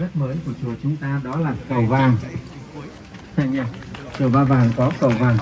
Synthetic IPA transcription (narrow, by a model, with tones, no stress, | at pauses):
ə˦˥t̚məː˨˦jku˧˩ət͡ɕu˨˩ət͡ɕʊ˨˦ŋ͡mt̪aː˧ɗɔ˨˦laː˨˩kə˨˩wvaː˨˩ŋ | t̪ʰa˧jɲaː˧˩t͡ɕu˨˩əɓaː˧vaː˨˩ŋkɔ˨˦kə˨˩wvaː˨˩ŋ